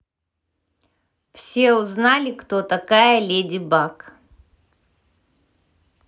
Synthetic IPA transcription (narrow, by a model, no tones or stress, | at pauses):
fsʲeuznalʲɪkt̪ot̪ɐkajəlʲedʲɪbak